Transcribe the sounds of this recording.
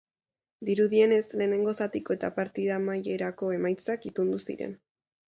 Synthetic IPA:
d̪iɾuðie̞ne̞sle̞ːne̞ŋɡo̞sat̪iko̞e̞t̪apaɾt̪iðamaje̞ɾako̞e̞majt͡sakit̪und̪usḭɾe̞̰n

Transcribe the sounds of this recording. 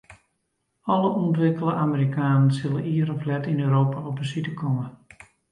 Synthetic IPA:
ɔlˠəɔntʋɪkəlˠəʔaməɾikʰaːnənsɪlˠəiːəɾɔflɛtinøɥɾoːpaɔp̚bəsitəkʰɔmə

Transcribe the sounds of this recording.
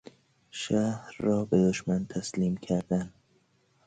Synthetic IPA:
ʃæhɾːɒːbed̪oʃmænt̪ʰæsliːmkʰæɾd̪æn

